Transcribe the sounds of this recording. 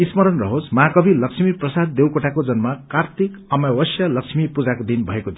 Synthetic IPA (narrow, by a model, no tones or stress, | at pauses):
ismʌɾʌnrʌɦosmakʌbʱilʌksmiprʌsad̪̚d̪ewkoʈakod͡zʌnmakart̪ʰikʌmawʌsjʌlʌksmipud͡zakod̪inbʱʌekod̪i